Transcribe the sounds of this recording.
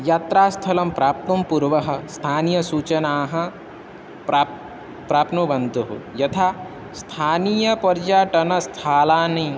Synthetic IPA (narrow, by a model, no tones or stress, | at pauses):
jaːt̪ɾaːst̪ʰɐlɐmpɾaːp̚t̪umpuɾʋɐɦɐ̆st̪ʰaːnijɐsuːt͡ʃɐnaːɦɐ̃ | pɾa | pɾaːpnubɐnd̪uɦṵjɐt̪ʰaː | st̪ʰaːnijɐpɐɾd͡ʒaːʈɐnɐst̪ʰaːlaːnĩ